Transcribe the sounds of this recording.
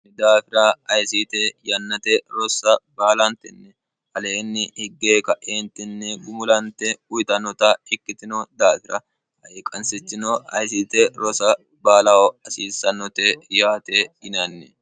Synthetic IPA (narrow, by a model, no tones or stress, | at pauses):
nɪd̪aːfɪɾɐɐjsit̪ɛjɐnːɐt̪ɛɾɔsɐbaːlɐnt̪ɛnːɛ | ɐleːnːɪhɪɡːeːkɐʔeːnt̪ɛnːɛɡʊmʊlɐnt̪ɛʊjɪt̪ɐnɔt̪ɐɪkːɪt̪ɪnɔd̪aːfɪɾɐ | ɐjekʼːɐnsɪt͡ʃːɪnɔɐ̰jsiːt̪ɛɾɔsɐ | baːlɐwɔɐsiːsɐnːɔt̪ɛjaːt̪eɪnɐnːɛ